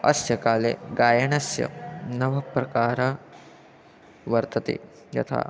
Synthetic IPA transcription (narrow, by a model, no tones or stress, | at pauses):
ɐ̰sjɐkaːlḛɡaːjɐɳɐsjɐ̰nɐʋɐpɾɐkaːɾɐ | ʋɐɾt̪ɐt̪ḛ | jɐ̰t̪ʰa̰ː